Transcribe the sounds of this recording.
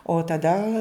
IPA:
oː tɐˈdɐ

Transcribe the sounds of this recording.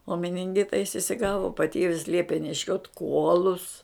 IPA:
oː mʲɪnʲɪŋʲˈɡʲɪtɐ jɪs ɪsʲɪˈɡɑːʋoː pɐˈtʲeːʋʲɪs ˈlʲiɛpʲeː nʲɛˈʃʲoːt ˈkuɔlˠʊs

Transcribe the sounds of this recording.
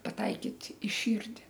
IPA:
pɐˈtɐɪkʲiːtʲ ɪ ˈʃʲiːrʲdʲɪ

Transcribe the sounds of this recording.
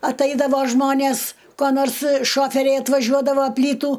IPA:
ɐtˈɐɪdɐʋoː ˈʒmoːnʲeːs koː ˈnoːrs ˈʃoːfʲɛrʲɛɪ ɐtʋɐˈʒʲuɔdɐʋoː ˈpʲlʲiːtuː

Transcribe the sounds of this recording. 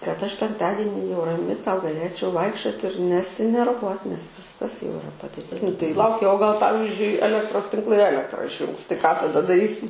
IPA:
kɐt ˈɐʃ pʲɛŋkˈtɑːdʲɪnʲɪ jɛʊ rɐˈmʲɪ ˈsɐʊ ɡɐˈlʲeːt͡ʃʲɛʊ ˈʋɐɪkʃʲt͡ʃʲoːt ɪr nʲɛsʲɪnʲɛrˈʋuɔt nʲɛs ˈʋʲɪskɐs jɛʊ ɪˈrɐ pɐdɐˈrʲiː nʊ tɐɪ ˈlˠɐʊkʲɛ oː ɡɐlˠ ˈpɑːʋʲɪzʲd͡ʒʲʊɪ ɛˈlʲæːktroːs tʲɪŋkˈlˠɐɪ ˈæːlʲɛktrɐ ɪʃʲˈjuːŋks tɐɪ kɑː tɐˈdɐ dɐˈrʲiːsʲɪ

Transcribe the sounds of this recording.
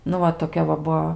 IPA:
nʊ ˈʋɐ toːˈkʲɛ ʋɐ ˈbuɔ

